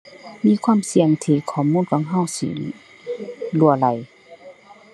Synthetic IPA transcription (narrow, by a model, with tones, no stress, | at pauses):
miː˧˥˨kʰwaː˧˥˨msi˧˦əŋt̪ʰiː˧˩kʰɔː˨˦muː˧˥˨nkɔ˧˥˨ŋɦa˧˥˨wsḭ˧˨ | lu˧˩ɐla˨˦j